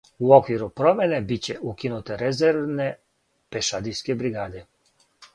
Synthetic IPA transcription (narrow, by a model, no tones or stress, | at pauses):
uokʋiɾupɾomenebit͡ɕeʔukinut̪eɾezɛɾʋne | peʃad̪iskebɾiɡaːd̪e